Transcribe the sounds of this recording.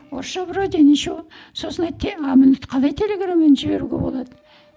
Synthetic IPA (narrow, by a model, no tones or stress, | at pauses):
oɾʃɑbɾod̪ʲeniʃu | so̞sənɑjt̪ʰɑmənət̪qʰɑlˠɑjt̪ʰe̞lʲe̞ɡramːenʒɪbe̞̰ɾuɡʲḛbo̞̰lˠɑd̪ə